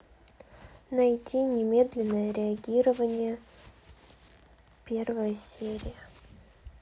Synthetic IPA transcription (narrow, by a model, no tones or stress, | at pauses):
nɐjtʲinʲɪmʲe̞d̪lʲɪnːəjəɾʲɪɐɡʲiɾəvənʲɪjə | pʲervəjəsʲeɾʲɪjə